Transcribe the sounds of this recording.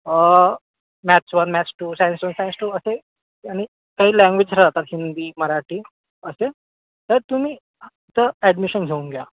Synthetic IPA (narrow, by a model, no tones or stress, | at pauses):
mæt͡ɕʋənmæt͡ɕʈuːsajənsʋənsajə̃nsʈuːəse | aɽ̃i | kaɦiːlɛ̃ŋɡʋed͡ʑkʰəɾd͡zat̪at̪ɦind̪iːməɾaʈiː | əse | t̪əɾt̪um̤iː | t̪əæɖmiɕənɡʱeuŋɡja